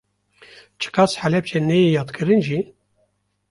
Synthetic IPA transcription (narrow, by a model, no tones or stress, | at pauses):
t͡ʃʰɨ̥kʰɑsħælɛp̚t͡ʃʰɛnɛjejɑːt̪kʰɨɾɨnʒi